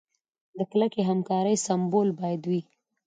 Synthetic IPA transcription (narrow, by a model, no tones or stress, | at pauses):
d̪əklakeɦamkɑɾəjsambolbɑjad̪wi